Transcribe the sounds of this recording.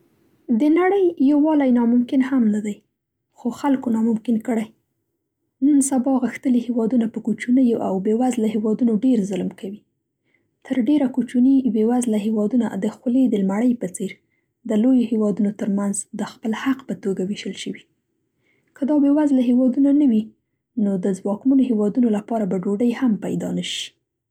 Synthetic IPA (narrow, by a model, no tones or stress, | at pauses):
d̪ənaɽəjːawwɑlajnɑmʊmkɪnhamnad̪aj | xoxalkonɑmʊmkɪnkəɽaj | nunsabɑɣəxt̪əlihewɑd̪unapəkut͡ʃunəjoʔa̰wbewazlaɦewɑd̪unoɖeɾzʊlmkawi | t̪ʰəɾɖeɾakut͡ʃunibewazlaɦewɑd̪una̰d̪əxled̪əlmaɽəjpət͡seɾ | d̪əlojohewɑd̪unot̪əɾmanzd̪əxpəlhaqpət̪oɡaweʃəlʃəwi | kəd̪ɑbewazlaɦewɑd̪unanawi | nod̪əzwɑkmanoɦewɑd̪unolapɑɾabaɖoɖəjhampa̰jd̪ɑ̰nəʃi̥